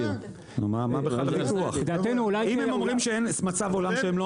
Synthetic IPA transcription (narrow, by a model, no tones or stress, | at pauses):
nṵmamabeaavituuaχd̪at̪enuulajimemomʁimʃeenmat͡savolamʃeemlo